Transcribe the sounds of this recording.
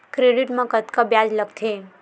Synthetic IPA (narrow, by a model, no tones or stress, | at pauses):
kɾeɖiʈmɐ̃kət̪kabjad͡ʒləɡt̪ʰe